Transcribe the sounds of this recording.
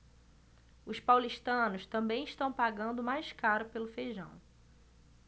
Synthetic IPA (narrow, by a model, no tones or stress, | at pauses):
ʊspawliʃt̪ɐ̃nʊst̪ɐ̃mbẽj̃iʃt̪ɐ̃w̃paɡɐ̃nd̪ʊmajskaɾʊpelʊfeʒɐ̰̃w̃